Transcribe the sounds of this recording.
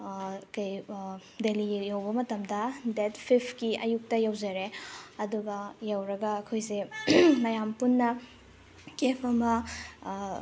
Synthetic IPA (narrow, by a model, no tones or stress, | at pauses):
kɐjdelijawbɐmɐtɐmdɐdetpʰipʰkiɐ̰juk̚tɐjawzɐɾeɐduɡɐjawɾɐɡɐːkʰojsenɐjampunːɐ | kepʰɐmɐ